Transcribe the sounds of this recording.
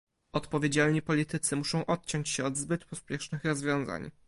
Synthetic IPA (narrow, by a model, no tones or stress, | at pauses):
ɔt̪pɔvʲed͡ʑalɲipɔlʲit̪ɘt̪sɘmuʂɔ̃w̃ʔɔt̪̚t͡ɕɔɲt͡ɕɕɛɔd̪zbɘt̪pɔspʲjɛʂnɘxɾɔzvʲjɔ̃w̃za̰ɲ